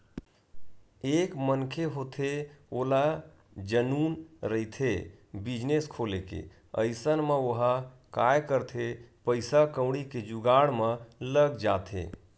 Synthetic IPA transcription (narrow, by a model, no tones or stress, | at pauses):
ekmənkʰeɦot̪ʰeola | d͡ʒənunɾəit̪ʰebid͡ʒneskʰolekḛ | ə̰ɪsənmeoɦa | kajkəɾt̪ʰepəɪsakə̃wɽiked͡ʒuɡaɽmeləɡd͡ʒat̪ʰḛ